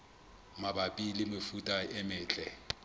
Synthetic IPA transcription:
mabapʼilɪmɪfutʼaɪmɪːt͡ɬʼɛ

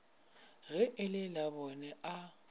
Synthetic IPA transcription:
ɣɛʔɪlɪlaβɔnɛʔa

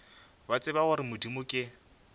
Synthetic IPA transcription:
bat͡sʼɪbaʊɾɪmʊdimʊkʼɪ

